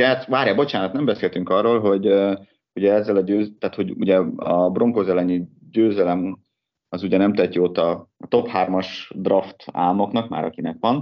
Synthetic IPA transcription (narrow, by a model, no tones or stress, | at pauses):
ɛat̪ʋaːrjɒbo̞t͡ʃaːnɒt̪nɛmbɛseːlt̪yŋkɒrːoːlɦo̞ɟ | huɟɛɛzːɛlɒɟøːt̪aːt̪ho̞ɟṵɟɛɒbro̞ŋkoːzɛlɛɲi | ɟøːzɛlɛm | ɒzuɟɛnɛmt̪ɛt̪ːiot̪ːɒɒt̪o̞phaːrmɒʃd̪rɒft̪a̰ːmo̞knɒkma̰ːɾɒ̰kinɛkʋɒn